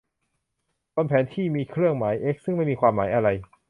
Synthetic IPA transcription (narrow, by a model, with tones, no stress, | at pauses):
koː˧npʰɛː˩˦nt̪ʰiː˥˩miː˧kʰɾɯ˥˩əŋmaː˩˦jʔe˦˥k̚sɯ˥˩ŋma˥˩jmiː˧kʰwaː˧mːaː˩˦jʔa˧ɾa˧j